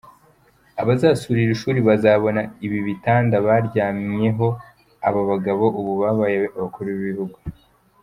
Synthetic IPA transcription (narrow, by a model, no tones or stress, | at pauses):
aβazaːsuɾiɾiʃuːɾiβazaβo̞naiβiβitaːndaβaːɾɟaːmɲe̞ɦo̞ | aβaβaɡaβo̞ʔuβuβaːβajeaβakuɾuβiβihuɡu